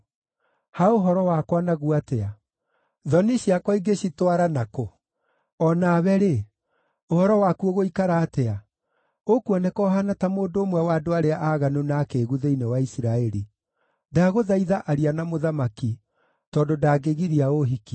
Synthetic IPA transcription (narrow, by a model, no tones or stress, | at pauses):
haoɦɔɾɔwakwanaɣuatɛa | ðɔniɕiakwɔiɡeɕitwaɾanako | ɔnaβɛɾe | ohɔɾɔwakuɔɣoikaɾaːtɛa | okuɔnɛkɔɦanatamoːndoːmwɛwadoaɾeaʔaːɣanonaːkeːɣuðeinewaisiɾaɛɾi | daːɣoðaiðaʔaɾianamoðamaki | tɔːdodaːɡeɣiɾiaoɦiki